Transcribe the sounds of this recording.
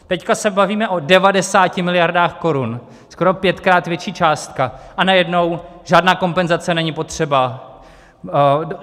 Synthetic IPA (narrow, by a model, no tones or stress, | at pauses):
t̪ɛckasɛbaviːmɛʔo̞dɛvadɛsaːcɪmɪlɪjaɾdaːxko̞ɾun | skoɾo̞pjɛt̪kɾaːt̪vjɛt͡ʃiːt͡ʃaːst̪kaʔanajɛdno̞wʒ̥aːdnaːko̞mpɛnzat͡sɛnɛɲɪpo̞t̪r̝̥ɛba